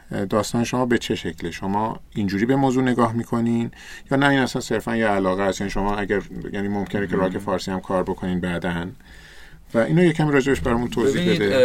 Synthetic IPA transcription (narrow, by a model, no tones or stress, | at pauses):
d̪ɒːst̪ɒːneʃo̞mɒːbe̞t͡ʃʰe̞ʃe̞cʰleʃomɒːind͡ʒuːɾiːbe̞moːzuːne̞ɡɒːɦmiːkʰo̞nin | jɒːnæiːnæsænse̞ɾfænjeælɒːɣehæst̪jæniʃo̞mɒːæɟæɾjæːniːmomcʰe̞necʰeɾɒːkʰe̞fɒːɾsihæmkʰɒːɾbo̞kʰo̞niːnbæd̪æn | væʔiːnojecʰæmiɾɒːd͡ʒe̞beʃbæɾɒmunt̪ʰoːziːhbe̞d̪e